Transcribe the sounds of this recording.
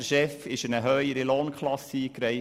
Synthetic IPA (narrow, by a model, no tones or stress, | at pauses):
ʃɛfɪʃənəɦœʏəɾəloːnkʰlɑsiːkɾɛɪ